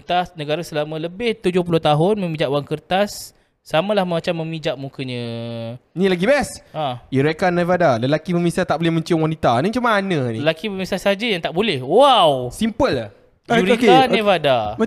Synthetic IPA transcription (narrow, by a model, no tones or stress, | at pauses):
t̪asnəɡaɾasəlamə̃ləbɪht̪ud͡ʒʊhpulʊht̪aɦʊnmə̃mĩd͡ʒaʔwaŋkərt̪asː | amãlahməmat͡ʃamːə̃mid͡ʒaʔ̚mukəɲə̃ | nĩlaɡibɛsaiɾɛkanevadaləlakiməmisat̪aʔbolɛhməɲt͡ʃʊŋwanit̪anə̃t͡ʃumãːnə̃niəlakiməmisasad͡ʒajaŋt̪aʔbolɛhwawsimpəl | uɾt̪aevada